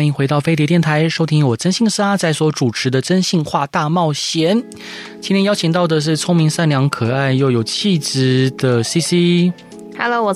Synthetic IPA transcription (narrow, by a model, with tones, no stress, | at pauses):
i˧˥ŋxwe˧˥ɪt̪ɑ˥˩ʊfe˥ɪt̪̬jɛ˧˥t̪jɛ˥˩nt̪ʰa˧˥ɪʂo˥ʊt̪ʰi˥ŋwɔ˨˩ʈ͡ʂə˥nɕi˥˧ŋst͡sa˥˩ɪswɔ˧˥ʈ͡ʂu˨˩ʈ͡ʂʰɻ̩˧˥d̪ə˧ʈ͡ʂə˥nɕi˥˧ŋxwa˥˧t̪a˥˧mɑ˥˩ʊɕjɛ˧˥n | t͡ɕʰi˧˥nt̪jɛ˥njɑ˥ʊt͡ɕʰi˨˩ŋt̪ɑ˥˩ʊd̪ə˩ʂ̬ɻ̩˥˩t͡sʰʊ˥ŋmi˧˥ŋsa˥˩nljɑ˧˥ŋkʰɤ˨˩a˥˧ɪjo˥˩ʊjo˨˩ʊt͡ɕʰi˥˧t͡s̩˨˩d̪ə˩si˥si˥ | hɛ˧lo˧˥w